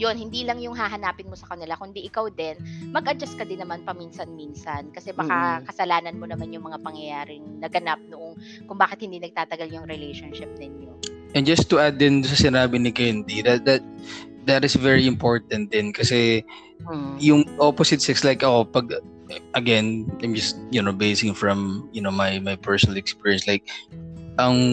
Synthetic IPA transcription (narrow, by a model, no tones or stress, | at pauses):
jonhɪnd̪iːlɐŋjʊŋɦaɦɐnaːpɪnmosɐkɐnɪlakʊnd̪iʔɪkawd̪ɛnmɐɡʔɐd͡ʒɐst̪̚kɐd̪ɪnːɐmanpɐmiːnsɐnminsɐnkɐsɛbɐkakɐsɐlaːnɐnmonɐmanjʊŋmɐŋapɐŋjɐjaːɾɪŋnɐɡɐnap̚nʊʔoŋ | kʊŋbaːkɪt̪̚hɪnd̪iːnɐɡ̚t̪aːt̪ɐɡaljʊŋɾɪlejʃonʃɪp̚nɪɲoʔɛ̃nd͡ʒɐst̪ːʊʔad̪ːɪnd̪ʊsɐsɪnaːbɪnɪkɛnd̪iðɐt̪̚d̪ɐt̪̚ | d̪ɐt̪ɪsvɛɹiɪmpo̞ɹt̪ɐ̃nt̪̚d̪ɪnkɐsɛ | jʊŋʔoposɪt̪sɛkslajkʔɐʔopɐɡ̚ | ʔɐɡɛnãjmd͡ʒɐst̪̚jʊnobejsɪŋfɹɐ̃mjʊnomɐjmɐjpɛɹsɔnɐlɛkspiɹijɛnslajk̚ʔɐŋ